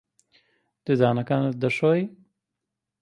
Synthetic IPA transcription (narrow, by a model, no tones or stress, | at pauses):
d̪̥ɨd̪aːnɐkaːnɨt̪̚d̪ɐʃoːj